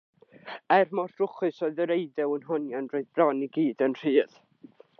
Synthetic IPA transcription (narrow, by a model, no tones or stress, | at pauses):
ɛrmɔ̥θrʊχɨsoɨðəɾeɨdɛwənɦɔnjanroɨðbrɔniɡiːdənr̥iːð̥